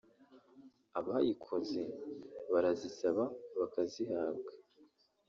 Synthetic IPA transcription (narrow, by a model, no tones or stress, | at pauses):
aβaha̰jikʰo̞ze̞βaɾazisaβaβakazihaːbɡḁ